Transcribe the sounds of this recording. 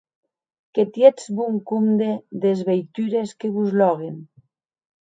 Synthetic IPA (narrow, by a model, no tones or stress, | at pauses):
ket̪jezβuŋkumd̪eðezβejt̪yɾeskeβuzlɔɣen